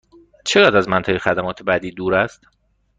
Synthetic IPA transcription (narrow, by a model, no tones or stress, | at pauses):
t͡ʃʰeɣæd̪æzmænt̪ʰɒːjexæd̪æmɒːt̪ʰebæd̪iːd̪uːɾæst̪